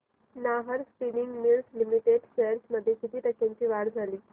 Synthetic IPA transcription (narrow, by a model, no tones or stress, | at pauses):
naɦəɾspiniŋɡmilslimiʈeɖseɾsməd̪ʱːjekit̪ʰiːt̪əkʰjãɲt͡ɕiːʋaɽd͡zʱaliː